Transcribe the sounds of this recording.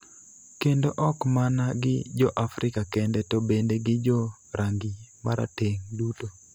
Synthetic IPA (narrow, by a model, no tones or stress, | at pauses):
kendoʔɔkmanaɡɪ̰d͡ʒɔʔafɾɪkakɛndɛtobendeɡɪd͡ʒɔ | ɾaŋɡimaɾa̰teŋduto